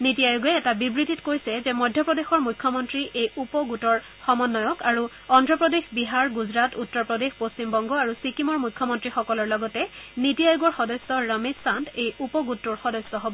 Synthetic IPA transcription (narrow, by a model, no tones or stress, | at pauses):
nitijajuɡɛɛtabibɹititkojsɛzɛmɔjdʱjɔpɹɔdexɔɹmukʰːɔmɔntɹiʔejupɔɡutɔɹ | xɔmɔnːɔjɔkaɹu | ɔndɹɔpɹɔdexbiɦaɹɡuzɹatutːɔɹpɹɔdexpost͡ɕimbɔŋɡɔaɹusikimɔɹmujkʰːɔmɔntɹixɔkɔlɔɹlɔɡɔtɛnitijajuɡɔɹxɔdɔsːɔɹamezsantejupɔɡutːɔɹxɔdɔsːɔɦobɔ